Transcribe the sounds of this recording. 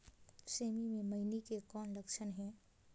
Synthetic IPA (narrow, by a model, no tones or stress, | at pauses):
seːmimẽmɐɪnikekɔːnləkʃənɦɛ̃ː